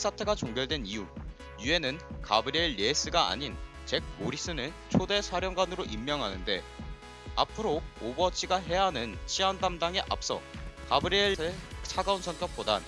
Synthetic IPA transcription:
s͈ʰatʰe̞ɡat͡ɕoŋɡjʌɭdwe̞niju | jue̞nɯnkabɯɾieɭːes͈ɯɡaa̰ɲin | t͡ɕe̞k̚moɾis͈ɯnɯn | t͡ɕʰode̞sʰaɾjʌŋɡwanɯɾoʔimːjʌŋɦanɯnde̞ | apʰɯɾoobʌt͡ɕʰiɡaɦe̞jaɦanɯnt͡ɕʰiandamdaŋe̞ʔa̰p̚s͈ʌ̰kabɯɾɯɭt͡ɕʰaɡaunsʰʌnk͈ʌk̚p͈odan

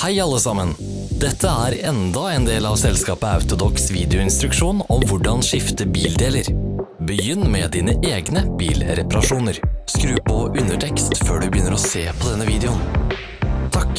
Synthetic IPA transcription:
hæɪɑlːəsɑmən | d̪̥ɛt̪ʰːəæːɾɛnd̪ɑɛːnd̪eːlɑːʋsɛlskɑːpəɑ̰ʉt̪ʊd̪ɔksʋiːd̪ɛʊɪnst̪ɾʉkʂuːnɔmʋʊɖɑnʂɪft̪əbiːld̪eːləɾbəjʏnːmɛd̪iːnəʔeːɡnəb̥iːlɾɛpɑɾɑʂuːnəɾskɾʉːpɔʔʉnəʈʰɛkst̪føːɖʉbəjʏnːəɾɔseːpʰɔd̪ɛnːəʋiːd̪ɛʊn | t̪ʰɑk

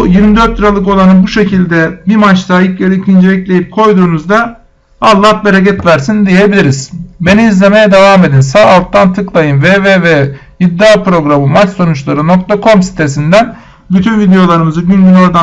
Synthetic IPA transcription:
jiɾmid̪øɾt̪lʲiɾalˠɯko̞lˠanɯbuʃe̞cʰilʲd̪ɛbimat͡ʃt̪ʰajiclʲeɾiicʰind͡ʒeɛclʲe̞jip̚kʰo̞jd̪uːnuzd̪a | alˠːaːbeɾecɛt̪væɾsind̪ije̞bilʲiɾiz̥be̞niːizlʲe̞me̞jɛd̪e̞vaːme̞d̪insaːalˠt̪ːant̪ʰɯklˠajɯnveːvevɛjid̪ːaːpɾo̞ɡɾamɯmat͡ʃso̞nut͡ʃlˠaɾɯno̞k̚t̪ʰakʰo̞msi̥t̪ʰe̞sind̪æn | byt̪ʰynvid̪ejo̞lˠaɾɯmɯzɯɟynɟyno̞ɾd̪a

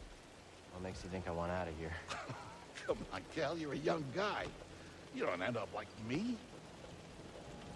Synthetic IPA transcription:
wɛmeɪksjɨθɪ̃ŋkaɪwɑ̃ñaʊɾɨvjə˞ | kʰʌ̃maɪkʰɛlˠjə˞ɨjʌ̃ŋɡaɪ | jɨdõʊ̃ntɛ̃ndʌplaɪk̚mi

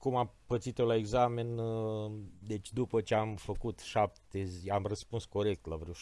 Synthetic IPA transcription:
kumapət̪sit̪olaeɡzamen | d̪e̞t͡ʃʲd̪upət͡ʃeamfəkut̪ʃap̚t̪eziamrəspunsko̞ɾe̞k̚t̪lavɾew

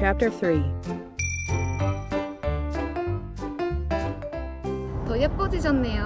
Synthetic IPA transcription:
æp̚tə˞θɹi | t̪ʌjʌp̚p͈ʌd͡ʑid͡ʑʌnːejo

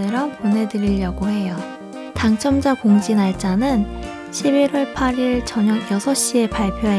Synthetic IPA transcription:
ɯɾʌpone̞dɯɾiʎːʌɡoɦe̞jo | taŋt͡ɕʰʌmd͡ʑakoŋd͡ʑinaɭt͡ɕ͈anɯn | ɕʰibiɾʌɭpʰaɾiɭt͡ɕʌɲʌɡjʌsʰʌɕ͈ie̞paɭpʰjoɦe

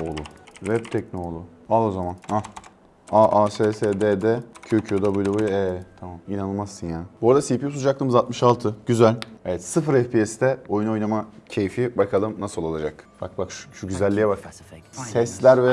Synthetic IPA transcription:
olˠuvɛbt̪ʰɛc̚no̞lˠu | alˠozamanha | aʔaseːseːd̪ed̪ɛcʰøcʰyjod̪abøjlʲɛbojʲɛt̪ʰamaminanɯlˠmassɯnjaːnbuɾd̪asipijusud͡ʒak̚t̪ˠɯmɯzalt̪̚mɯʃalˠt̪ʰɯɟyzælʲevɛt̪sɯfɯɾɛfpʰiɛsd̪ɛo̞juno̞jnamacʰejfibakʰalˠɯmnasɯlˠolˠad͡ʒakb̥ak̚bakʃʃuɟyzælʲːijɛbaksɛslʲæɾvɛ

